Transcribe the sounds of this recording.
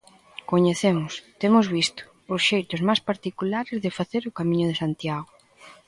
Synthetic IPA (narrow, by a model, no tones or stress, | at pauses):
koɲeθemʊst̪emʊzβist̪ʊ̥ːsʃejt̪ʊzmajspaɾt̪ikulaɾezðɪfaθeɾʊkamĩɲʊðesant̪jaɣʊ